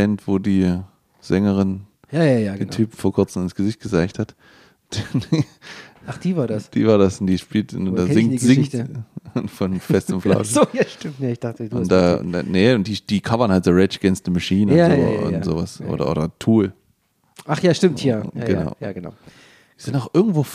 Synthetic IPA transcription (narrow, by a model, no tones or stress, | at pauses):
ɛntv̥oːdiː | z̥ɛŋəʁɪn | jaːjajaentʰyːpm̩foːɐkʰʊɐt͡sm̩ɪnsɡ̥əzɪçt̚ɡ̥əzaɪçthat | d̥an | aχd̥iːvaːɐdassd̥ḭːvaːɐdasʊnd̥iːʃpiːltndazɪŋzɪŋt | fɔnfɛstɪmfla̰ʊʃjaʃtɪmnɪçd̥aχtəʊ̰ntd̥a̰ːanəʊnt̚d̥iːd̥iːkʰavɐnhaltz̥oʁɛt͡ʃəɡ̥ɛnstnəmaʃiːnəo̰ʊ̰tz̥o̰ːvasʔo̰ːdɐ̰ʔo̰ːɾɐtʰuːl | ʔaχjaːʃtɪmtʰjaɐɡ̥əna̰ʊjaːɡəna̰ʊ | z̥ɪntaʊxʔɪɐɡŋ̩tv̥oː